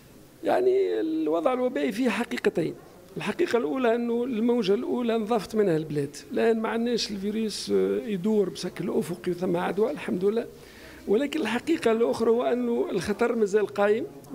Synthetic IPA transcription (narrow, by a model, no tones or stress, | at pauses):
ja̰ʕniɪwɑd̪ˤʕəlwæbæːʔifihħaqiːqɑt̪iːn | ɪlħɑqiːqɑlʔuːlæʔɪnːulmawʒælʔuːlænðˤɑːft̪ˤmɪnhælblɛːd̪lʔæːnmaʕanːɛːʃɪlviɾyːsjd̪uːɾbʃæklʔʊfʊqiwθæmːæʕad̪wælħamd̪lːæː | wɪlæːkɪnɪlħaqiːqɑlʔʊxɾˤɑhʊwːʔænːuɪlxɑt̪ˤɑɾˤmæzælqɑːjəm